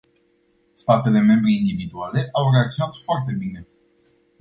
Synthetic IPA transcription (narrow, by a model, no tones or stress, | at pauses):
st̪at̪e̞le̞me̞mbɾiːnd̪ivid̪uale̞ʔawre̞ak̚t̪sʲjonat̪foart̪e̞bine̞